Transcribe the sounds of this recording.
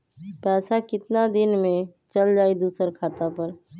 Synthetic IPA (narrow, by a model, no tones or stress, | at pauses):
pɛːsakɪt̪nad̪ɪnmẽt͡ʃəld͡ʒaːid̪uːsəɾkʰaːt̪apəɾ